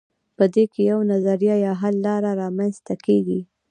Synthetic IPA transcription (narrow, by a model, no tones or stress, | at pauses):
pəd̪ekʰejawnazaɾijɑjɑɦalːɑɾaɾɑmanst̪akʰeɡi